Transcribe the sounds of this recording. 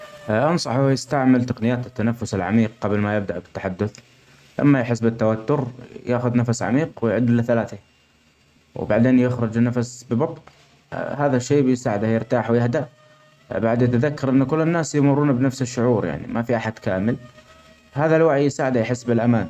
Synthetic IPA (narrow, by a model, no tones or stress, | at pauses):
ʔɑnsˤɑħʊjɪst̪aʕmɪlt̪aqnɪjaːt̪ɪt̪ːanafːʊsɪlʕa̰miːq̚qɑblmajɪb̚d̪aʔbɪt̪ːaħad̪ːʊθ | la̰mːajħɪsːbɪt̪ːawat̪ːʊɾjaːxʊðnafasʕa̰miːqwɪjʕʊd̪ːɪlːaθalaːθa | w̰baʕd̪eːnjɪxɾʊd͡ʒnːafasbɪbɑt̪ˤn̰ | haːðaʃːeːbjsaːʕɪd̪ajɪɾt̪aːħwɪjɪhd̪aʔ | baʕd̪jat̪aðakːɑɾˤʔɪnːkʊlːɪnːaːsjmʊrˤːuːnbɪnafsɪʃːʊʕuːɾja̰ʕnḭmafiʔaħad̪̥kaːmɪl | haːðalwaʕijːɪsaːʕɪd̪ajħɪsːbɪlʔamaːn